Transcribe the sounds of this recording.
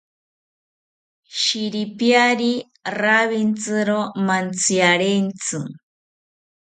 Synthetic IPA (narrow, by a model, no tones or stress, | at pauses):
ʃiɾipjaɾi | raβint͡sɨɾomant͡siaɾent͡sɨ